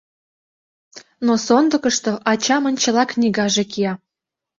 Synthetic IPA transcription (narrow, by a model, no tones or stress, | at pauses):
nosond̪əɤ̆kɤ̆ʃt̪oʔɑt͡ɕɑmɤ̆nʲt͡ɕɤ̆lɑknʲiɡɑʒekiɑ